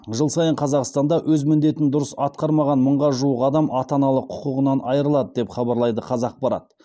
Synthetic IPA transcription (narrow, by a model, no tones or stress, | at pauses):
ʒəlˠsɑjəɴqʰɑzɑqst̪ɑnd̪ɑwʔɵzmɪnd̪e̞t̪ɪnd̪ʊɾəsɑt̪̚qɑɾmɑʁɑnməɴʁɑʒuəqɑd̪ɑmɑt̪ɑnɑlˠəqʰːʊ̥qəʁənɑnʔɑjəɾəlˠɑd̪əd̪e̞pχɑbɑɾlˠɑjd̪əqʰɑzɑq̚bɑɾɑ̰t̪̚